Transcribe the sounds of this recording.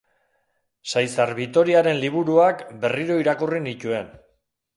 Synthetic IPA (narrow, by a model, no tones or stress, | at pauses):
sajsaɾβit̪o̞ɾiaɾe̞nliβ̞uɾuakbe̞riɾo̞iɾakurinit̪ue̞n